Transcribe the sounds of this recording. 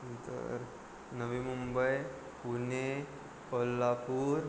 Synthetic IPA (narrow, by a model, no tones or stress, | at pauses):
t̪ə̰ɾ | nəʋimumbəj | pune | pəlːapuːɾ